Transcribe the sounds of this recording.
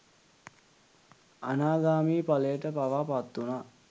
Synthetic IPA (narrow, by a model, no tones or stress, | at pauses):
anaːɡaːmiːpaləjəʈəpaʋaːpat̪ːuna